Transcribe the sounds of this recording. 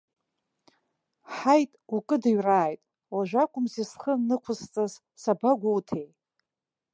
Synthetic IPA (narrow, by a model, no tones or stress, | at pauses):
ħajtʼukʼɨdɨɥraːjtʼ | laʒᶣakʷʼʊmzisχənɨkʷʰʊst͡sʼaz | sabaɡʷawtʰej